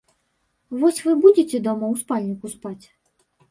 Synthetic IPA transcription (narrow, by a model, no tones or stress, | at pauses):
vɔsʲvɨbud͡zʲet͡sʲɛd̪ɔmɐwspalʲnʲikuspat͡sʲ